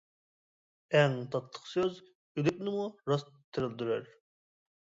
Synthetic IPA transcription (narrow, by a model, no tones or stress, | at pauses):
ɛŋt̪ʰɑt̪ʰlˠə̥qsøz | yd̪ɪk̚ʲnɪmuɾɑst̪ʰːɨɾɨld̪yɾɛɾ